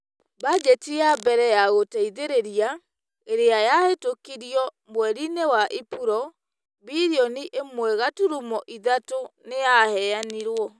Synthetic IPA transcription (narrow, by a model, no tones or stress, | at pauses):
bad͡ʒɛtijabɛɾɛjaɣotɛiðeɾeɾia | eɾeajahetokiɾiɔmwɛɾinewaʔipuɾɔ | biɾiɔniʔemwɛɣatuɾumɔʔiðatonejahɛaniɾwɔ